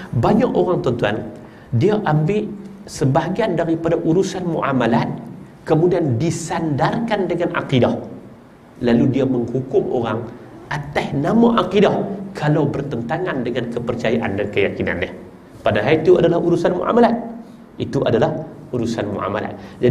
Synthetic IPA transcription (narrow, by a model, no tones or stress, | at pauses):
baɲakoɾaŋt̪ɔnt̪uan | diaʔambɪʔsəbaɦaɡiandaɾipadaʔuɾusanmṵʔa̰malat̪̚ | kəmudiandisandarkandəŋanʔa̰qidah | laludiaməŋhukʊmʔo̰ɾaŋ | ʔat̪asnamaʔaqidahkʰalawbərt̪ənt̪aŋandəŋankəpərt͡ʃajaʔandankəjakina̰nːah | padaɦait̪ua̰dalahuɾusanmṵʔa̰malat̪̚ | it̪uʔadalah | uɾusanmṵʔa̰ma̰la̰t̪̚d͡ʒa